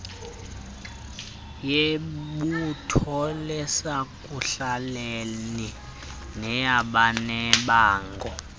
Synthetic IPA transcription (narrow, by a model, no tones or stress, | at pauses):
jeɓutʰɔlɛsakʼuɬaleni | nɛjaɓanɛɓaːŋɡɔ